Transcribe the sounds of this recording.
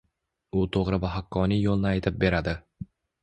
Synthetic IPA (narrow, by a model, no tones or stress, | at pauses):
ʊt̪ʰoʁɾɪbaɦakʰːɒnijolˠnɪajt̪ʰɪp̚be̞ɾad̪ɪ